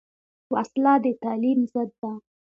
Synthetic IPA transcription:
waslɑd̪ət̪alimzəd̪̚ːa

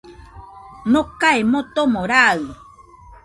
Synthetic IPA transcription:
nokaemõt̪omõɾa

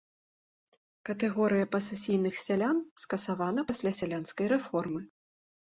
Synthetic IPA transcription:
kɐt̪ɛɣɔɾɨjɐpɐsɛsʲijnɨxsʲalʲanskɐsavanɐpasʲlʲasʲalʲanskɐjɾɛfɔrmɨ

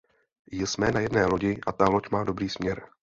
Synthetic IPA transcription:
jɪsmɛːnajɛdnɛːlo̞ɟɪʔat̪alo̞cmaːdo̞bɾiːsmɲɛɾ

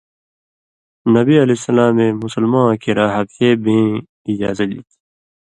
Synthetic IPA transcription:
nɐbiɐlesɐlaːmẽːmʊsəlmãːkiɾaːɦɐk̪seːbẽː | id͡ʑaːzɐt̪̚d̪iːt̪ʰi̥

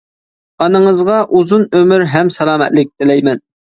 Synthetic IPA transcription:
ɑnɨŋəzʁɑʔuzunømyɾɦɛmsɛlˠɑːmɛ̰t̪lɪk̚ʲd̪ɪlɛjmɛn

